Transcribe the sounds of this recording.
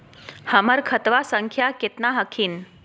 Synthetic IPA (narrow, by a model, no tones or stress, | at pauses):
həməɾkʰət̪ʋasəŋkʰjaket̪naɦəkʰiːn